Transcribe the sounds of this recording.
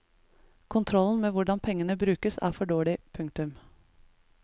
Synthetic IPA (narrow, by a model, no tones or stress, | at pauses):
kʰʊnt̪ʰɾɔln̩meːʋʊɖɑnpʰɛŋːənəbɾʉːkəsæ̰ːfɔɖoːɭɪpʰʉŋk̚t̪ʉm